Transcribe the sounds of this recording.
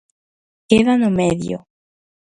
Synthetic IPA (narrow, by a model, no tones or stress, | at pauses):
keðanomeðjo̰